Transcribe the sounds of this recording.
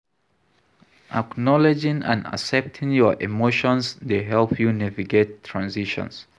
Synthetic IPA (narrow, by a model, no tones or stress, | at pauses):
ʔa̰knɔlɛd͡ʒɪ̃ŋã̰nda̰sɛp̚tʰɪ̃ŋjɔ˞ʔḭmoʃɔ̃nsdeɦɛlˠpʰjunɛviɡetʰːɹãnziʃɔ̰̃ns